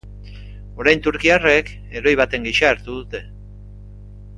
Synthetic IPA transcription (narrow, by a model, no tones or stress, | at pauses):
o̞ɾajnt̪uɾkiare̞k | e̞ɾo̞jβat̪e̞ŋɡiʃaːɾt̪uðut̪e̞